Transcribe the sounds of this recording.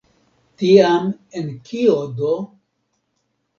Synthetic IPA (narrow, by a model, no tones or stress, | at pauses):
tiamenkʰiodo